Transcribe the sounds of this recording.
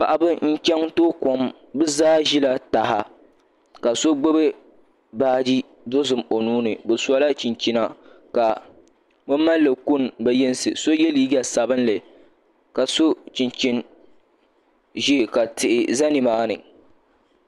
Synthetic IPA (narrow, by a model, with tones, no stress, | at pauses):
pa̰˨ʔa˨bɨ˦n̩˦t͡ʃɛ˦ŋtoː˦ko˨m | bɨ˦zaː˦ʒi˦la˦˨ta˨ɦa˦ | ka˨so˦ɡ͡bo˦bɨ˦ | baː˦d͡ʒi˦ | do˦zɨ˨mo˨nuː˦nɨ˨bɨ˨sa˦la˦t͡ʃi˨nt͡ʃi˦na˦ | ka˨ | bɨ˦m˦mːa˦lːɨ˨ku˦˨nbɛ˦jɛ˦n˦sɨ̰˨so˦jɛ˦li˦ɡa˨sa˨bɨ˦nlɨ˨ | ka˨so˦t͡ʃi˨nt͡ʃi˦n | ʒi˦˨ka˨tɪ˨ʔɪ˨za˦nɪ˨maː˦nɨ̰˨